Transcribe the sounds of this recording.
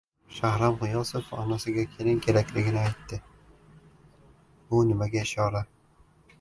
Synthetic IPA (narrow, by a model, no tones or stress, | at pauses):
ʃahɾamʁʊjɒsɪfɒ̰nasɪɡʲakʲʰe̞lɪŋkʲʰe̞ɾakʲlɪɡʲɪnɪajt̪ːɪ | bʊnɪmaɡʲaɪʃɒla